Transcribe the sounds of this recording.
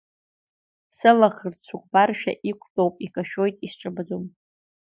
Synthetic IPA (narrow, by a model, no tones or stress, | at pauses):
sɨlaχərt͡sʷʰukʷʼbarʃᶣa̰ʔikʷʰʼdʼowpʼikʼaʃᶣo̞jtʼisʈ͡ʂʼɨbad͡zom